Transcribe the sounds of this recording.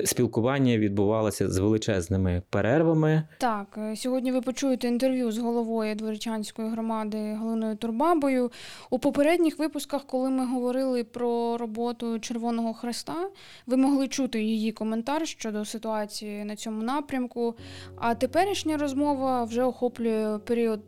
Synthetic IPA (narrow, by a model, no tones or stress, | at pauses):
sʲpʲilˠkʊʋɑnʲːɐʋʲid̪̚bʊʋɑlˠɐsʲɐ̰zʋelˠɪt͡ʃɛznɪmɪpeɾɛrʋɐmɪt̪ɑksʲɔɦɔdʲnʲiʋɪpɔt͡ʃujet̪ɛint̪erʋʲjuzɦɔlˠɔʋɔjʊd̪ʋɔɾɪt͡ʃʲɑnʲsʲkɔjiɦɾɔmɑd̪ɪɦɔlˠɪnɔjʊt̪ʊrbɑbɔjʊupɔpeɾɛdʲnʲixʋɪpʊskɐxkɔlˠɪmɪɦɔʋɔɾɪlˠɪpɾɔɾɔbɔt̪ʊt͡ʃerʋɔnɔɦɔxɾɪst̪ɑ | ʋɪmɔɦlˠɪt͡ʃut̪ɪjijikɔment̪ɑrʃt͡ʃɔd̪ɔsɪt̪ʊɑt͡sʲijinɐt͡sʲɔmʊnɑpɾʲɐmkʊɐt̪epɛɾʲiʃnʲɐɾɔzmɔʋɐwʒɛɔxɔplʲʊjɛpeɾʲiɔd̪̚